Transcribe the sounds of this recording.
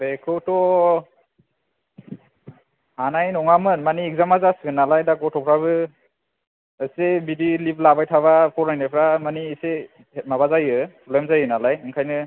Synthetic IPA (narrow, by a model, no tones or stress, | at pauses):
bekʰɯtɔ | hanajnɔŋamɯnmaniːɡ̚zamazaskɯnalajdaɡɔtʰɔpʰɾaβɯ | ɯsebidiliplabajtʰaβapʰɔɾajnajpʰɾamaniːse | maβazajɯpʰɔblemzajɯnalajɯŋkʰajnɯ